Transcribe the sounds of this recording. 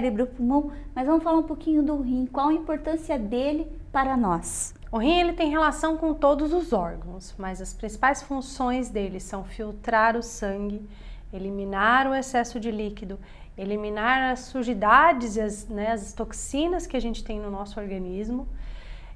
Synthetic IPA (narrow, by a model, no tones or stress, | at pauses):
ɾɪbɾufumõmɐzvɐ̃mʊsfalaɾũpokĩɲʊd̪ʊɦĩkwawɐĩmpoɾt̪ɐ̃siɐd̪elɪpaɾɐnɔs | ʊɦĩelɪt̪ẽj̃ɦelasɐ̃w̃kõt̪od̪ʊzʊzɔɾɡɐ̃w̃smɐzɐspɾĩsi̥pajsfũsõj̃zd̪elɪsɐ̃w̃fiwt̪ɾaɾʊsɐ̃ɡɪ | elimĩnaɾʊesɛsʊd͡ʒɪlikid̪ʊ | elimĩnaɾɐsːuɾʒid̪ad͡ʒɪzɪɐznɛɐzst̪oksĩnɐskɪaʒẽnt͡ʃɪ̥t̪ẽj̃nʊnɔsʊoɾɡɐ̃nizmʊ